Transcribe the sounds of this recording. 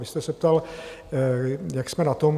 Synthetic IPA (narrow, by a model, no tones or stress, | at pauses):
vɪst̪ɛsɛp̚t̪al | jaksmɛnat̪om